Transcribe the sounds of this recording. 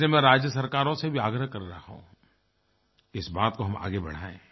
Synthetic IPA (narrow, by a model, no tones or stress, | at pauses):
emẽɾaːd͡ʒjəsɐɾkaːɾõsebʱiaːɡɾəɦkɐɾɾɐɦaɦõ̰ | ɪsbaːt̪̚koɦɐma̰ːɡebɐ̰ɽ̤aːḛ̃ː